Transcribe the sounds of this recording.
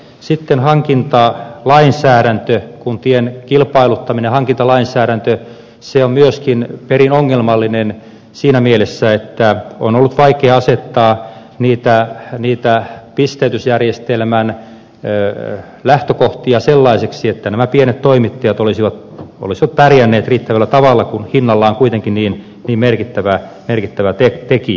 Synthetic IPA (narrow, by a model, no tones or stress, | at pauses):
sit̪ːenhɑŋkint̪ɑlɑinsæːɾænt̪økunt̪ienkilpɑilut̪ːɑminehɑŋkint̪ɑlɑinsæːɾænt̪ø | seommyøskinperinoŋːelmɑlːinen | siːnæmielesːæet̪ːæonolːut̪ʋɑikeːɑset̪ːɑː | niːt̪æniːt̪æpist̪eyt̪ysjærjest̪elmæn | ø | læht̪økoht̪iɑselːɑiseksiet̪ːænæmæpienet̪t̪oimit̪ːɑjɑt̪olisiʋɑt̪ | o̰lisiʋɑt̪pærjænːeːt̪riːt̪ːæʋælːæt̪ɑʋɑlːɑkunhinːɑlːɑːoŋkuit̪eŋkinniːn | niːmmerkit̪ːæʋæ | merkit̪ːæʋæt̪et̪eki